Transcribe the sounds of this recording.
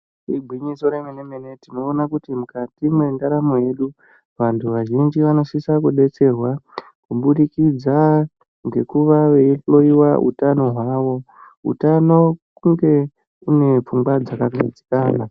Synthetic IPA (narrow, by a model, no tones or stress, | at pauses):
iɡʱwiɲiso̞ɾemenemene̞tino̞ːnakutimukatimwendaɾamoje̞ɗu | ʋantʰuʋaʒind͡ʒiʋano̞sisakuɗe̞t͡se̞rwa | kuɓuɗikid͡za | ŋɡe̞kuʋaʋe̞iɬlo̞iwaṵtano̞ɦwaːʋo̞ | ṵtano̞kuŋɡe̞ | une̞p͡fuŋɡwad͡zakaɡʱad͡zi̥kaːna